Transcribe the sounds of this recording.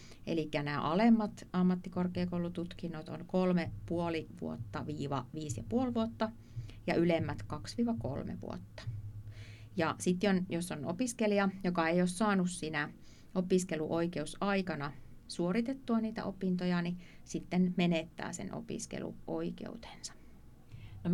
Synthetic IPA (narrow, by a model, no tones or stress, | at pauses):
ḛlikːænæːʔɑlemːɑt̪ɑmːɑt̪ːikorkeːkoulˑut̪ut̪kinːot̪o̰nkolmepuoliʋṵot̪ːɑʋiːʋɑ̰ʋiːsjɑ̰puolʋuot̪ːɑ | jɑʔylemːæt̪kɑksʋiːʋɑko̰lmḛʋṵo̰t̪ːɑ̥ | jɑsit̪jonjosːonopiskeliɑjokɑejossɑːnussinæ | opiskeluʔoikeusɑikɑnɑ | suorit̪et̪ːuɑniːt̪æ̰ʔopint̪ojɑnisit̪ːenmenet̪ːæ̰ːsḛnʔo̰pḭskḛlṵoikḛut̪e̥nsɑ̥ | no